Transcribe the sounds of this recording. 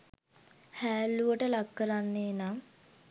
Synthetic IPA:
hæːluʋəʈəlakːəɾanːeːna

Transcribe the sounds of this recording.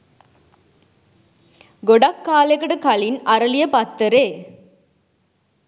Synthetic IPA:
ɡɔɽɐkːaːlɐɣɐɽɯkɐɭɪnɐɾɐlɪjɐpɐt̪ːɐɾeː

